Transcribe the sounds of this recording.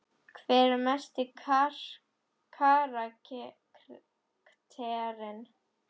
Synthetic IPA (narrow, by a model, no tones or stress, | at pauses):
kʰvɛːɾɪmɛst̪ɪkʰaɾ | kʰaɾac | ɾ | kt̪ʰɛɾɪn